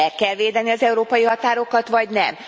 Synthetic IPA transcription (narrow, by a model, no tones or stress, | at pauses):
ɛkːɛlʋeːd̪ɛniɒzɛuɾoːpɒjiɦɒt̪aːɾo̞kɒt̪ʋɒɟnɛ̰m